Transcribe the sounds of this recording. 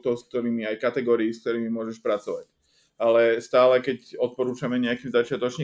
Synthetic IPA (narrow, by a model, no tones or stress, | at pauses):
t̪ɔʊsk̚t̪ɔɾiːmiajkat̪ɛɡɔːɾiisk̚t̪ɔɾiːmimʊɔʒɛʃpɾat͡sɔʋac | alɛst̪aːlɛkɛcɔt̪̚pɔɾuːt͡ʃamɛɲɛakiːmzat͡ʃɪat̪ɔt͡ʃɲi